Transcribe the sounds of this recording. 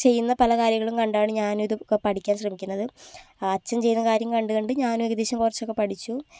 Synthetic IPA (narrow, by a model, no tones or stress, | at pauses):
t͡ɕe̞jːunːɐpɐlɐkaːɾjɐŋːɐɭumkɐɳɖaːɳɨɲaːnumiðɨpɐʈikʲːaːnɕrɐmikʲːunːɐðɨaːt͡ɕːɐmt͡ɕe̞junːɐkaːɾjɐmkɐɳɖɨkɐɳɖɨɲaːnumiɡɐd̪iːɕɐmkurɐt͡ɕːo̞kːepɐʈʰit͡ɕːu